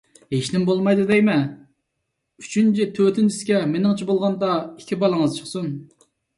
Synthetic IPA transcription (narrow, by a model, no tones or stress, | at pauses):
heʃnɪmbolˠmɑjd̪ɨd̪ɛjmɛ | yt͡ʃʰynt͡ʃʰit̪ʰøt̪ʰynt͡ʃʰɪskʲɛmenɪŋt͡ʃʰibolˠʁɑnd̪ɑikʲʰibɑlˠɨŋəzt͡ʃʰə̥χsun